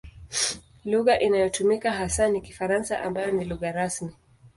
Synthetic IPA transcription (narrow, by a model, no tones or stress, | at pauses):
luɣaʔinajɔtumikaɦasanikifaɾansaʔa̰mbajɔniluɣaɾasmi